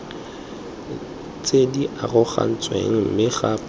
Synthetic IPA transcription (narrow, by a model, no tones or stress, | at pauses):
t͡sʼediʔarʊχa̰n̩t͡sʼwḛŋ̩m̩mɪɣap